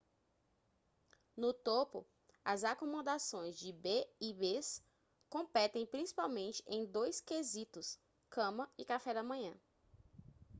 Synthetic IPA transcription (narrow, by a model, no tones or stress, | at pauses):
nʊt̪opʊ̰ | ɐzakomõd̪asõj̃zd͡ʒɪbeibes | kõpɛt̪ẽj̃pɾĩsi̥pawmẽnt͡ʃɪ̥ʔẽj̃d̪ojskezit̪ʊs | kɐ̃mɐɪkafɛd̪ɐmɐ̃ɲ̃ɐ̰̃